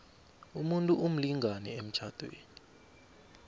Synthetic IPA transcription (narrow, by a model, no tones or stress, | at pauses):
umuntʼuʔum̩liŋʱanɛem̩t͡ʃʰad̥ʱwḛːni